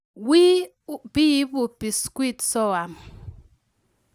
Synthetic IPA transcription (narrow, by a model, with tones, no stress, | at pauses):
wi˦ | bi˦bu˨pi˨skwi˦˨tsɔ˦˨a˨m